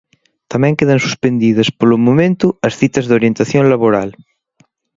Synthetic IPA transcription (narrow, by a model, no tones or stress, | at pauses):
t̪amɛ̃ŋkeðɐnsu̥spend̪iðɐspolomomẽnt̪uɐsθit̪ɐzðoɾjent̪aθjonlaβoɾal